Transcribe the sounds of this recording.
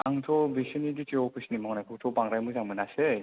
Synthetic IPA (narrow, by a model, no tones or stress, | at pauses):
aŋtʰɔbisɯniditiɔpʰisnimɔŋnajpʰɯktʰɔbaŋɾajmɯzaŋmɯnase